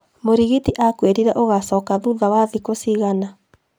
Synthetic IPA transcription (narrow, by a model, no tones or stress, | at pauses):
moɾiɣitiʔakweɾiɾɛʔoɣasɔːkaðuðawaðikosiɣana